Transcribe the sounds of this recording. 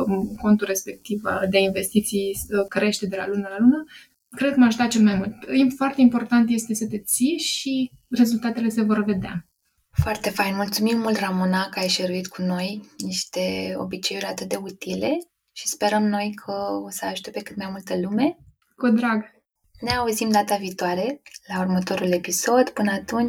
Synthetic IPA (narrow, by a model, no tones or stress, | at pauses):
ko̞nt̪ure̞spe̞k̚t̪iva̰d̪einve̞st̪it̪sijəkəɾe̞ʃt̪e̞d̪e̞la̰lunalaluma | kɾed̪̚kəmaʒd̪at͡ʃelmajmult̪imfoart̪e̞impo̞rt̪ant̪je̞st̪e̞sət̪e̞t̪sijeʃi | re̞zult̪at̪e̞le̞se̞vo̞rve̞d̪ea̰ | foart̪e̞fajnmult̪sumimːult̪ramunakajʃeɾuit̪kʰuno̞jniʃt̪e̞o̞̰bit͡ʃejuɾʲat̪ɨt̪̚d̪e̞ut̪ile̞ | ʃispe̞ɾəmno̞jkʰəo̞səaʃt̪e̞pe̞kɨ̥t̪̚majmult̪əlume̞ | kod̪ɾaɡ | neauzimd̪at̪aviːt̪oaɾe̞laurmət̪o̞ɾule̞piso̞d̪pɨnəat̪unt͡ʃʲ